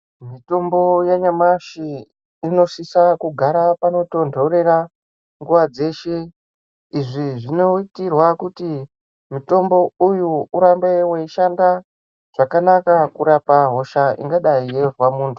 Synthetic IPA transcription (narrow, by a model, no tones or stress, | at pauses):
mito̞mbo̞jeɲamaʃiː | no̞ʂisakuɡʱaɾapano̞to̞ndʱoɾe̞ra | ŋɡuʋad͡ze̞ʃe̞ | iʐiʐino̞itirwakuti | mito̞mbo̞ujuuɾambe̞weiʃanda | ʐ̥akanakakuɾapaɦo̞ʃaʔḭŋɡaɗaijerwamuːntʰu̥